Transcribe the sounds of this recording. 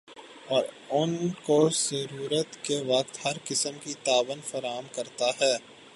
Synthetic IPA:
ɔːɾ | ʊnkozəɾuːɾət̪keʋɐq̚t̪hɐɾkɪsəmkit̪aːʋənfɐɾaːɦəmkɐɾt̪aɦɛː

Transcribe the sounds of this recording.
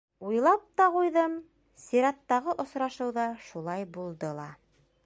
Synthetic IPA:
ujlˠɑp̚t̪ɑqujðɤm | siɾɑt̪ːɑʁɤʔŏsɾɑʃɤ̆wðɑʃulˠɑjbulˠd̪ɤlˠɑ̰

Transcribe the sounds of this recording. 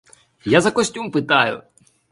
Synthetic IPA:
jazɐkɔsʲtʲumpɪt̪ɑjʊ̰

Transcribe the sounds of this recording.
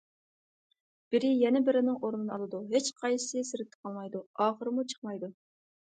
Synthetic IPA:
b̥ɪɾɪjɛnɪbɪɾɪnɪŋoɾnɨnɨɑlˠɨd̪uɦet͡ʃqʰɑjɨ̥sɨsɪɾɪt̪ʰːɪ̥qʰɑlˠmɑjd̪uɑːχəɾɨmut͡ʃʰə̥χmɑjd̪u

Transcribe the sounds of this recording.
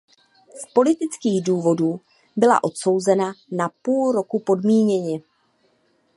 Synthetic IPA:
spo̞lɪt̪ɪt͡skiːɣduːvo̞duː | bɪla̰ʔo̞t̪so̞wzɛnanapuːlɾo̞kupo̞dmiːɲɛɲɪ

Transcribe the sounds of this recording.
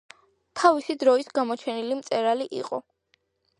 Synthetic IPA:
t̪ʰavisid̪ɾɔisɡamɔt͡ʃʰɛnilimt̪sʼɛɾaliʔḭqʼɔ̰

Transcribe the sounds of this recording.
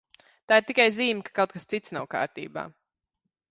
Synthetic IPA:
t̪aːiɾt̪ikajziːmʲkḁkawt̪̚kast̪sit̪snawka̰ːɾt̪ḭːba̰ː

